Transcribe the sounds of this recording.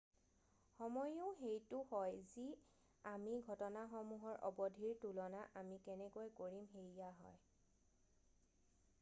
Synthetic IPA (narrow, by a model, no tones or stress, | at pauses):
xɔmɔjʊʊxejtʊhɔjzi | amiɡʱɔtɔnaxɔmuɦɔɹʔɔ̰bɔdʱiɹtulɔnaʔamikɛnɛkojkoɹimɦejijaɦɔ̰j